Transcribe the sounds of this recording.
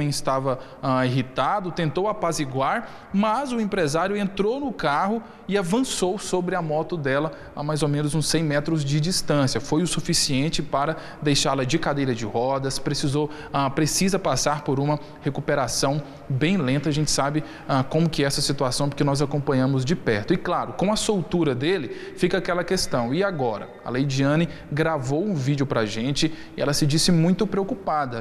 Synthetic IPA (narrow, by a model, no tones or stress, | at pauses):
ẽj̃ɪst̪avɐ | aiɦit̪ad̪ʊt̪ẽnt̪owapaziɡwaɾ | mɐzʊẽpɾezaɾjʊẽnt̪ɾownʊkaɦʊ | ɪavɐ̃sowsobɾɪɐmɔt̪ʊd̪ɛlɐ | amajzomẽnʊzũsẽj̃mɛt̪ɾʊzd͡ʒɪd͡ʒist̪ɐ̃sjɐfojʊsufisiẽnt͡ʃɪpaɾɐ | d̪ejʃaɾlɐd͡ʒɪkad̪ejɾɐd͡ʒɪhɔd̪ɐspɾesizow | apɾesizɐpasaɾpoɾũmɐ | hekupeɾasɐ̃w̃ | bẽj̃lẽnt̪ɐaʒẽnt͡ʃɪ̥sabɪ | akõmʊkɪɛɛsɐsit̪uasɐ̃w̃pʊɾkɪnɔzakõmpɐ̃ɲɐ̃mʊzd͡ʒɪpɛɾt̪ʊɪklaɾʊkõw̃ɐsowt̪uɾɐd̪elɪfikɐakɛlɐkest̪ɐ̃w̃ɪaɡɔɾɐ̰ | ɐ̰lejd͡ʒiɐ̃nɪ | ɡɾavowũvid͡ʒiʊpɾɐʒẽt͡ʃɪ | ɪɛ̰lɐsɪd͡ʒisɪmũj̃t̪ʊpɾeokupad̪ɐ